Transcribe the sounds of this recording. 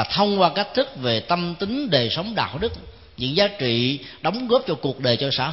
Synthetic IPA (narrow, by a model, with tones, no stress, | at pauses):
t̪ʰə˧wŋ͡mkwaː˧ka˦˥k̟̚t̪ʰɨ˦˥k̚ve˨˩t̪ə˧mt̪i˨˦ŋɗe˨˩sə˨˦wŋ͡mɗa̰ː˧˨wɗɨ˦˥k̚ | ɲɨ̰˧˥ŋzaː˨˦˥t͡ɕḭ˧˨ɗɔ˨˦wŋ͡mɣo˦˥p̚t͡ɕɔ˧ku˨˩ək̚ɗəː˨˩jt͡ɕɔ˧sa̰ː˧˥